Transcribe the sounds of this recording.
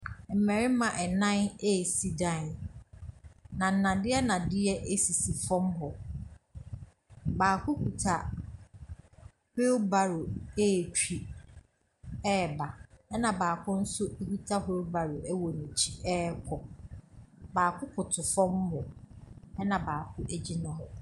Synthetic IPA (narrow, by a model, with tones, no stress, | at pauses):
m̩˨mɛ̃˨ɾɪ˦mã˨ʔɛ˨nã˦ne˦˨si˨dã˦˨n | nã˨n̩˦˨nã˨dɪ˦ɛ˦nã˨dɪ˦ɛ˦ʔe˦si˨si˨fɔ̃˦mɦɔ˨ | baː˨kʰʊ˦kʰu˨tʰa˨ | ho˦ba˨ɾʊ˨e˦˨t͡ɕʰᶣi˦ | ɛ˦˨ba˨ɛ˦nã˨baː˨kʰʊ̃˦n̩˦sʊ˦e˦ku˦tʰa˦ho˦ba˨ɾʊ˨ʔɛ˦wɔ˨nũ˨t͡ɕʰi̥˦ʔɛ˦kʰɔ˨ | baː˨kʰʊ˦kʰʊ˨tʰʊ˨fɔ̃˦m˦hɔ˨ | ɛ˦nã˨baː˨kʰʊ˦ʔe˨d͡ʑi˦nʊ̃˨ɦɔ˨